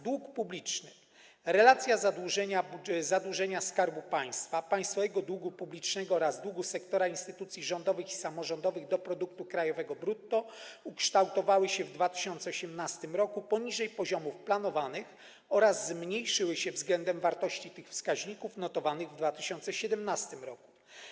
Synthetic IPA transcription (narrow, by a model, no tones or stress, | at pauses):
d̪wukpublʲit͡ʂnɘ | ɾɛlat̪sʲjazad̪wuʐɛɲabuzad̪wuʐɛɲaskaɾbupaj̃st̪fapaj̃st̪fɔvɛɡɔd̪wuɡupublʲit͡ʂnɛɡɔɔɾazd̪wuɡusɛkt̪ɔɾainst̪ɘt̪ut̪sʲjiʐɔnd̪ɔvɘxisamɔʐɔnd̪ɔvɘɣd̪ɔpɾɔd̪uk̚t̪ukɾajɔvɛɡɔbɾut̪ːɔukʂt̪awt̪ɔvawɘɕɛvd̪vat̪ɘ̥ɕɔnt̪sɛɔɕɛmnast̪ɘmɾɔkupɔɲiʐɛjpɔʑɔmufplanɔvanɘx | ɔɾazːmɲejʂɘwɘɕɛvzɡlɛnd̪ɛmvaɾt̪ɔɕt͡ɕit̪ɘxfskaʑɲikufnɔt̪ɔvanɘɣvd̪vat̪ɘɕɔnt̪sɛɕɛd̪ɛmnast̪ɘmɾɔku̥